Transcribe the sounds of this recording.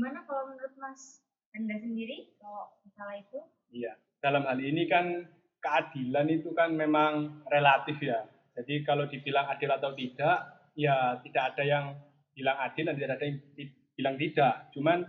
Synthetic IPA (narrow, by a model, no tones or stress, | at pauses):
dmanakalamənəɾʊt̪̚mas | bəndasəndiɾikaloʔməsalait̪u | ija | d̥alamɦalinikan | kəad̥ilanit̪ukanmemaŋrelat̪ɪfja | d͡ʒ̥adikalodibilaŋad̥ɪlat̪awt̪id̥aʔ | jat̪id̥aʔad̥ajaŋ | b̥ilaŋad̥ɪlat̪it̪dadajaŋi | b̥ilaŋt̪id̥aʔt͡ʃuman